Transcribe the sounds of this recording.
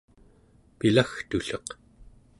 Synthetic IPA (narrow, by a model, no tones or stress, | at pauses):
pilaxt̪uɬʌq